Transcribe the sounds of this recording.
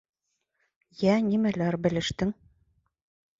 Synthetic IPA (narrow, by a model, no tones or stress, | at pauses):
jænimælæɾbɘ̆lɘ̆ʃt̪ɘŋ